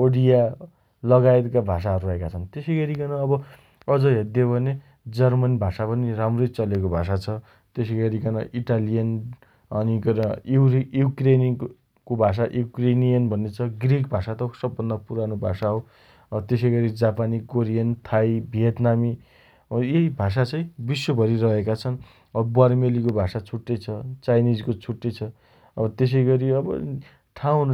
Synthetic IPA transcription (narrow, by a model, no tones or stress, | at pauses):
oɽija | lʌɡaet̪kabʱas̬aɦʌɾurʌɦekat͡sʰʌnt̪esʌɡʌɾikʌnʌʌbʌ | ʌd͡zʌɦed̪jobʱʌne | d͡zʌrmʌnbʱasapʌniramrʌjt͡sʌlekobʱasat͡sʰʌ | t̪esʌɡʌɾikʌnʌʔiʈalijʌn | ʌnikʌujukren | kobʱas̬aʔjukrenijʌnbʱʌnːet͡sʰʌɡrik̚bʱasat̪ʌsʌbːʌnːʌpuɾanobʱasaɦõ | ʌt̪esʌjɡʌɾid͡zapanikoɾijʌnt̪ʰajbʱijʌt̪nami | jebʱas̬at͡sʌ̃ĩbiswobʱʌɾiɾʌɦekat͡sʰʌn | ʌbbʌrmelikobʱasat͡sʰuʈːet͡sʰʌt͡sajnid͡zkot͡sʰuʈːet͡sʰʌ | ʌbʌt̪es̬ʌjɡʌɾiʌbʌ̰ | ʈʰãw̃ɦun